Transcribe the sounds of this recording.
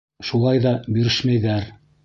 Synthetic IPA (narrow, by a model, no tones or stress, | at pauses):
ʃulˠɑjðɑbɵ̆ɾɘʃmæjðæɾ